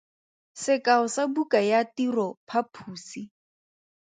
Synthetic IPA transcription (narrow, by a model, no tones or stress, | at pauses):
sɪkaʊsabukʼajatirɔpʰapʰuːsi